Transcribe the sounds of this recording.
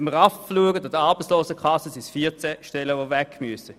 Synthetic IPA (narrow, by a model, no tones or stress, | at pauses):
ɛmːəʁɑffluəɡətɑd̥əɑʁb̥ət͡ssloːsəkʰɑsəsisfiːt͡sɛʃtɛlːəʋovɛkʰmyəsə